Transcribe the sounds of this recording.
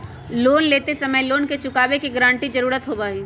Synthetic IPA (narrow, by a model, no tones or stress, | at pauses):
loːnleːt̪esɐməjloːnket͡ʃʊkaːbekiɡɾãːɳʈid͡ʒɐɾuːɾət̪ɦoːbaːɦiː